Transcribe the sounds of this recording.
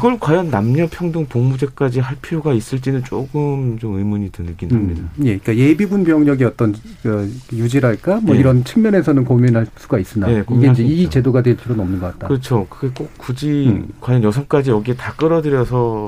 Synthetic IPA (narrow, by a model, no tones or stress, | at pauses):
iɡʌɭkwajʌnːamɲʌpʰjʌŋdɯŋpoŋmud͡ʑe̞k͈ad͡ʑiɦaɭpʰiɾjoɡais͈ɯɭt͡ɕ͈inɯnt͡ɕ͈oɡɯmt͡ɕomɯjmuɲitɯnɯk͈inamɲidaje̞ik͈aje̞bibunpjʌŋɲʌɡiʌt͈ʌn | kɯjud͡ʑiɾaɭk͈amwʌiɾʌnt͡ɕʰɯ̥ŋmjʌne̞sʰʌnɯnkominɦaɭs͈uɡais͈ɯnaekoiɡeind͡ʑeit͡ɕe̞doɡadwekʰiɾʌnʌmnɯnɡʌk͈att͈akɯʌt͡ɕʰokɯɡe̞k͈okk͈ːud͡ʑikwajʌnjʌsʰʌŋk͈ad͡ʑiʌɡietak͈ɯɾʌdɯɾjʌsʰʌ